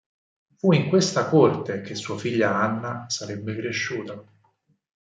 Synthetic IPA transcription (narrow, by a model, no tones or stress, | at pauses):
fuiŋkwest̪akort̪ek̟esːuːafiʎːaanːasaɾebːekɾeʃːuːt̪a